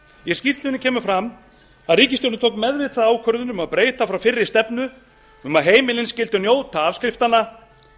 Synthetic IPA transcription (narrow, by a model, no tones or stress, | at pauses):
jɛ̥scir̥t̪lʏnɪcʰɛːmʏfɾam | aðriːcɪst̪ownɪt̪ʰowkmɛðvɪt̪θaðaːwkʰœɾðʏnʏmaðpɾeːjt̪afɾawfɪrːɪst̪ɛpnʏ | ʏmaðɦeːjmɪlɪnscɪlt̪ʏnjoːwt̪ʰaavskɾɪft̪ana